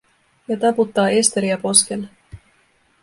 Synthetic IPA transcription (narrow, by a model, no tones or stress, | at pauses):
jɑt̪ɑput̪ːɑːest̪eɾiɑpo̞skelːe